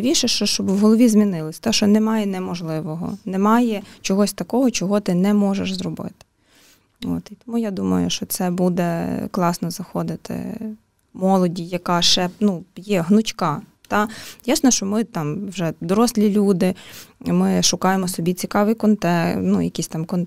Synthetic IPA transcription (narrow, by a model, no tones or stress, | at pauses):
ʋʲiʃɛʃt͡ʃɔʃt͡ʃɔbwɦɔlˠɔʋʲizmʲinɪlˠɪsʲt̪aʃt͡ʃɔnɛmɑjɛnɛmɔʒlˠɪʋɔɦɔ̰nɛmɑjɛt͡ʃɔɦɔsʲt̪ɐkɔɦɔt͡ʃɔɦɔt̪ɪnɛmɔʒeʃzɾɔbɪ̰t̪ɪ̥ | o̰t̪it̪ɔmujad̪umɐ̰jʊ̰ʃt͡ʃɔt̪sɛbud̪ɛklˠɑsnɔzɐxɔd̪ɪt̪ɪ̰ | mɔlˠɔdʲijɐkɑʃɛpnujɛɦnʊt͡ʃkɑ | t̪ɑjasnɔʃt͡ʃɔmɪt̪ɑmwʒɛd̪ɔɾɔsʲlʲilʲud̪ɪmɪʃʊkɑjemɔsɔbʲit͡sʲikɑʋɪjkɔnt̪ɛnṵjɐkʲisʲt̪ɑmkɔn